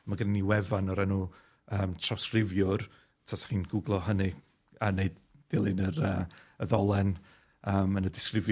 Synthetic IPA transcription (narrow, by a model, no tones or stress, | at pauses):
maɡənaniwɛvanɔɾɛnuː | əːmtʰrawskrɪvjʊr | tʰasḁχiːnɡʊɡlˠɔɦənɨ | aneɨdd̥ɪlˠɪnəɾəːəðɔlˠɛn | əːmənədɪskrɪv